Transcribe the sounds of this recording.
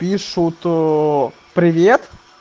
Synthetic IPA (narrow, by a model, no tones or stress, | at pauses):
pʲiʂʊt̪ | pɾʲɪvʲet̪